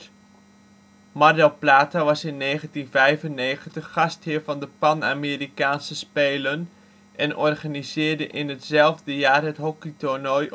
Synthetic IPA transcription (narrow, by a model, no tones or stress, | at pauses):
mɑɹdɛlˠplaːtaʋɑsɪnːejχəntinvɛjvənːejχəntəχːɑstɦɪːɹvɑndəpɑna̰ːmɪːrikaːnsəspejlən | ʔɛnʔɔrχaːnizɪːɹdəʔɪnɦətz̥ɛlˠvdəjaːrɦətɦɔkitɔɹnɔj